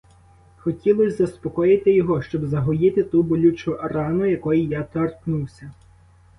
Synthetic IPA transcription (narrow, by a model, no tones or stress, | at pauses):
xɔtʲilˠɔsʲzɐspɔkɔjɪt̪ɪjɔɦɔʃt͡ʃɔbzɐɦɔjɪt̪ɪt̪ubɔlʲut͡ʃʊʔrɑnʊjɐkɔjijat̪ɔrknuwsʲɐ